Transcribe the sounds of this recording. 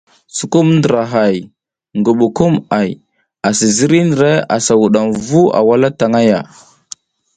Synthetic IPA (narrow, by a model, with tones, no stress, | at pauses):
su˨ku˦mndə˨ɾa˨ɦa˨j | ŋɡu˨ɓu˨ku˦ma˨j | a˨si˨zi˦ɾi˦nə˨ɾe˦a̰˨sa˨wu˨ɗa˨mvu˦a̰˨wa˦la˦ta˨ŋa˦ja˨